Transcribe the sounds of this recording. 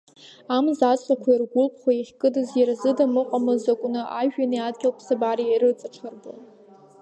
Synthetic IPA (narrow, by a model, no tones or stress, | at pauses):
amzat͡sʼqʼakʷʰairɡʷʊlpʰχʷaiχʲkʼɨdɨzjarazɨdamɨqʷʼamɨzakʷʼʊnɨʔa̰ʒᶣaniadɡʲɪlpʰsabaɾiiɾɨt͡sʼaʈ͡ʂʰarbɨ̰